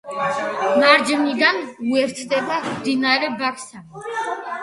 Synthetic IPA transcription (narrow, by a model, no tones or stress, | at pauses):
maɾd͡ʒnid̪anuɛɾt̪ʰd̪ɛbamd̪inaɾɛbakʰsa